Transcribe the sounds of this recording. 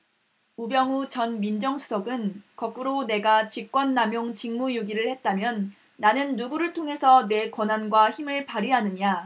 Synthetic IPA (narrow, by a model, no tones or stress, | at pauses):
ubjʌŋut͡ɕʌnmind͡ʑʌŋsʰu̥sʰʌɡɯnkʌk͈uɾone̞ɡat͡ɕik͈wʌnːamjoŋt͡ɕiŋmujoɡiɾɯɭhe̞t̚t͈amjʌnː | anɯnːuɡuɾɯɭtʰoŋɦe̞sʰʌne̞kwʌnanɡwaçimɯɭpaɾiɦanɯɲa